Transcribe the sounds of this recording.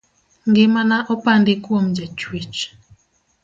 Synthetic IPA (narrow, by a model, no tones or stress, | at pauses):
ŋɡemanaʔɔpandekwomd͡ʒatwit͡ʃ